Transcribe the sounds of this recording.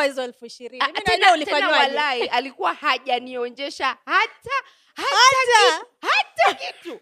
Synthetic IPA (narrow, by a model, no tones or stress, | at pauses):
izɛlfuiʃiɾianɛnaulitɛaɲnawalaiʔalikuwahaʄaniɔɲd͡ʒɛʃahata | haaiuhatakitu